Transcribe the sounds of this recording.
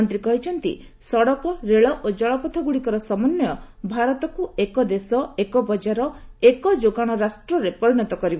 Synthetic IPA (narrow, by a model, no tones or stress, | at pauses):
nt̪ɾikɔɦit͡ʃʰɔnt̪ḭ | sɔɽɔkɔɾeɭɔʔod͡ʒɔɭɔpɔt̪ʰɔɡuɽikɔɾɔsɔmɔnjɔ | bʱaɾɔt̪ɔkuekɔd̪esɔekɔbɔd͡ʒaɾɔekɔd͡ʒoɡaɽ̃ɔɾasʈɾɔɾepɔɾiɽ̃ɔt̪ɔkɔɾib